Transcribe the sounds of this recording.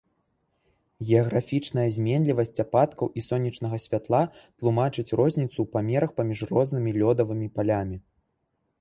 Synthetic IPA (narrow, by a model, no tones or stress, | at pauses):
ɣʲɛɐɣɾafʲit͡ʂnɐjɐzʲmʲɛnʲlʲivɐsʲt͡sʲapat̪kɐwʔisɔnʲːit͡ʂn̪ɐɣɐsʲvʲat̪lˠat̪lˠumat͡ʂɨt͡sʲrɔzʲnʲit̪supamʲɛɾɐxpɐmʲiʂrɔznɨmʲilʲɔd̪ɐvɨmʲipalʲamʲi